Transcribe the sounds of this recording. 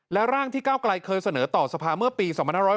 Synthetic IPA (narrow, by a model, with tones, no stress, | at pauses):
lɛ˦˥ɾaː˥˩ŋt̪ʰiː˥˩kaː˥˩wkla˧jkʰɤː˧jsa˧nɤː˩˦t̪ɔː˨˩sa˧pʰaː˧mɯ˥˩ɐpiː˧sɔː˨˩˦ŋpʰnhaː˥˩ɾɔ˦˥˩